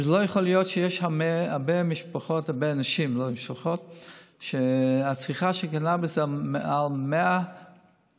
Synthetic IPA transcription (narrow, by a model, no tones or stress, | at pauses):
zlojəχolijɔtʃɛjɛʃhameabemiʃpaχotabeanaʃimlomiʃpaχotʃeat͡sʁiχaʃekanabesmalmea